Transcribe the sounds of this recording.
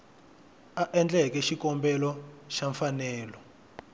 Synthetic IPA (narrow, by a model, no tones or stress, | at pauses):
aʔɛnd͡ɮɛkɛʃikɔmbɛlɔʃaɱfanɛːlɔ